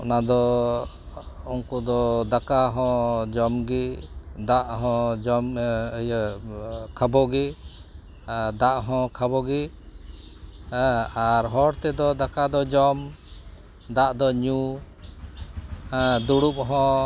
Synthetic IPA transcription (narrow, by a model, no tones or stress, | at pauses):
ʔnad̪ɔ | uŋkud̪ɔd̪akaɦɔ̃d͡ʒɔmɡid̪aʔɦɔ̃d͡ʒɔmj | kʰabɔɡi | d̪aʔɦɔ̃kʰabɔɡi | aɾɦɔɽt̪ɛd̪ɔd̪akad̪ɔd͡ʒɔm | d̪aʔd̪ɔɲu | d̪uɽup̚ɦɔ̃